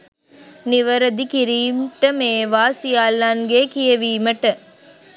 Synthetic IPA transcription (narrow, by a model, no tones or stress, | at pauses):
niʋɐɾəd̪ikiɾiːmʈəmeːʋaːsijaːlːɐnɡeːkijeʋiːməʈə